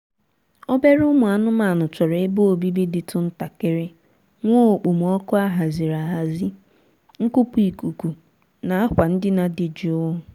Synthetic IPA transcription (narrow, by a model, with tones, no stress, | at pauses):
o˦be˦ɾʊ˦mʊ˨a˨nʊ˦ma˨nʊ˨t͡ʃɔ˨ɾe˨e˦bo˦o˨bi˦bi˦dɪ˨tʰʊ˨n̩˦ta˨kɪ˨ɾɪ˦ | ŋʷo˦˨k͡pu˨m˨ɔ˦kʊ˦a˦ɦa˨zɪ˨ɾa˨ɦa˨zɪ˦ | ŋ̩˦ku˦pu˨i˨ku˨ku˨ | na˨a˦kʷa˨n̩˦dɪ˦na˨dɪ˨d͡ʒi˨ʊ˦ʊ˦